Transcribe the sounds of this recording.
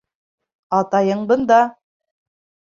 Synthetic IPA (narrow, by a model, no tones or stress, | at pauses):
ɑt̪ɑjɤɴbɤnd̪ɑ